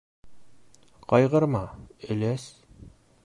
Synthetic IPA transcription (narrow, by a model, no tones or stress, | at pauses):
qɒjʁɤ̆ɾmɑɘ̆læs